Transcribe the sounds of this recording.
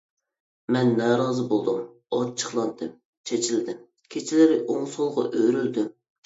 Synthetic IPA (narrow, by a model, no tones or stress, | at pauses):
mɛnːɛɾɑzɨbolˠd̪ɨm | ɑt͡ʃʰːə̥χlˠɑnd̪ɨm | t͡ʃʰet͡ʃʰild̪ɪm | kʲʰet͡ʃʰilɪɾɪʔoŋsolˠʁɑ̰ʔøɾyld̪ym